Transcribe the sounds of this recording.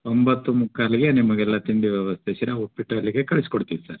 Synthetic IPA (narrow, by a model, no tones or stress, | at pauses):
ombɐt̪ːumukʰːaːliɡenimɐɡɛlːɐt̪ind̪iʋjɛʋɐst̪ʰesɐɾeɦopiʈɐlːiɡekɐɭisi̥koɽt̪iʋisɐɾ